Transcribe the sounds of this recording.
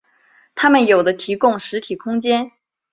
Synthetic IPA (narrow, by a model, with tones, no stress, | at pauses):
t̪ʰa˥mə˨njo˨˩ʊd̪ə˦t̪ʰi˧˥kʊ˥˩ŋʂɻ̩˧˥t̪ʰi˨˩kʰʊ˥ŋt͡ɕjɛ˥n